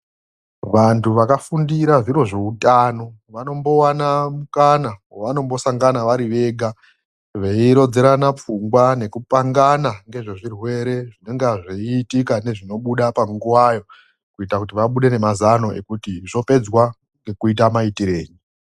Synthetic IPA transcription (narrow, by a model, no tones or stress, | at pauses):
ʋantʰuʋakafundiɾaʐiɾo̞ʐe̞utaːno̞ | ʋano̞mbo̞wanamukanawaʋano̞mbo̞saŋɡanaʋaɾiʋe̞ːɡʱa | ʋe̞iɾo̞d͡zeɾanap͡fuŋɡwane̞kupaŋɡanaŋɡe̞ʐe̞ʐirwe̞ɾe̞ʐine̞ŋɡaʐeiːtikane̞ʐino̞ɓuɗapaŋɡuwajo̞ | kuitakutiʋaɓuɗe̞ne̞mazano̞ʔe̞̰kutiʐo̞pe̞d͡zwa | ŋɡe̞kuit̬amaitiɾe̞ːɲi